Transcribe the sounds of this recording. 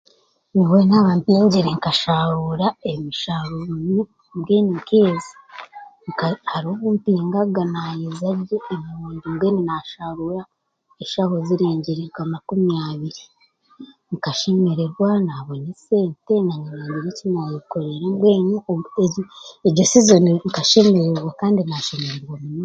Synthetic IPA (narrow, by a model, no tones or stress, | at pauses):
niwe̞naβampiːɲɟiɾeŋkaʃaβuɾaemiʃaɾoni | bɡeːnikeːzi̥ŋkahaɾioβumpiːŋɡaɡanajizaɾɾeːmiɾuːndimɡweninaʃaːβuɾa | eʃaho̞ziɾiːɲɟiɾiɾɡamakumijaːβiɾi | ŋkaʃe̞me̞ɾeɾɡwanaβonese̞ːntenaɲiniːɲdiɾicinajiko̞ɾe̞ɾeŋɡweːnueeɾɟosizoniŋkaʃe̞me̞ɾeɾwakaːndinaʃe̞meɾeɾɡwaminu